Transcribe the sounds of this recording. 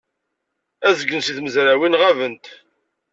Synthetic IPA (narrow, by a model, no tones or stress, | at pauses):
æzəɡːənsiθməzɾæwinʁævənt̪